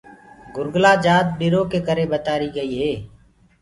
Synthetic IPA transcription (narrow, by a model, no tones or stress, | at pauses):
ɡʊɾɡlaːd͡ʒaːd̪̚ɓɪɾoːkeːkəɾeːɓət̪aːɾiːɡəiːɦeː